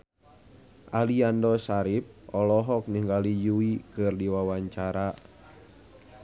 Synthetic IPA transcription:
ʔaliandɔsaɾip̚ʔɔlɔɦɔk̚niŋɡalijuikɨrdiwawaɲt͡ʃaɾa

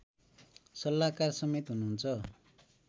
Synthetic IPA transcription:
sʌlːakarsʌmet̪ɦunuɦunt͡sʰʌ

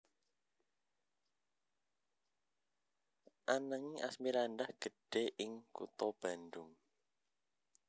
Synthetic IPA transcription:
ʔanaŋiʔa̰smiɾandahɡ̥ə̤ɖ̥eʔɪŋkṵt̪ɔb̥a̤ndʊŋ

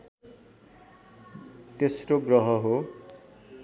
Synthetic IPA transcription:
t̪esroɡrʌɦʌɦo

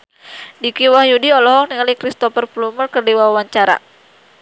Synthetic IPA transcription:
dikiwahjudiɔlɔɦɔk̚niŋalikɾist̪ɔfərpulumərkərdiwawaɲt͡ʃaɾa̰

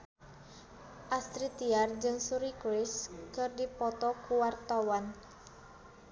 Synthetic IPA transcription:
ʔast̪ɾit̪iard͡ʒɨŋsuɾikɾɪskɨrdipɔt̪ɔkuwart̪awan

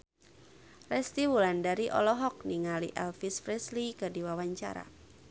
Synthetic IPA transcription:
rɛst̪iwulandaɾiʔɔ̰lɔɦɔk̚niŋalḭʔɛlfisfɾɛslikədiwawaɲt͡ʃa̰ɾa̰

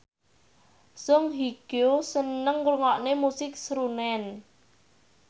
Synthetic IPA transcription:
sʊŋɦiɡ̥osənəŋɾuŋɔʔnemusɪk̚sɾunɛn

